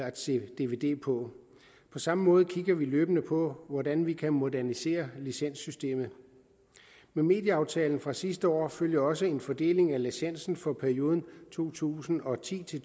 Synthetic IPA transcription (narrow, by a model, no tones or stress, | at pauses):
æd̥se̝̰ːd̥e̝ʋe̝d̥e̝̰ːpʰɒ̽ | pʰɒ̽sɑ̈məmɔ̽ːð̞̩ˠkʰiɡ̥ɐʋiløːb̥ənəpʰɒ̽ʋɒdænʋikʰæmo̝dæɐnise̝̰ːɐlisen̰sːysd̥e̝̰ːmð̩ˠ | meme̝̰ːd̥jəɑ̈ʊt͡sʰɛːln̩fʁɑ̈sisd̥əɒ̰ːføljɐɒ̽səe̝nfɒd̥e̝̰ːle̝ŋælisen̰sn̩fɒ̽pʰæɐio̝ːð̞ˠn̩t͡sʰo̝̰ːt͡sʰṵːsn̩ɒ̽t͡sʰḭːt͡sʰe̝